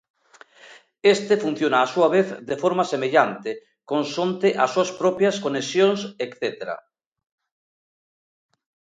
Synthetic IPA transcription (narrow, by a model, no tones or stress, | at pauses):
est̪efun̟θjonaːsuaβ̞eθd̪efoɾmasemeʎant̪e | konsont̪eʔasuaspɾɔpjaskonesjonsekθet̪eɾa̰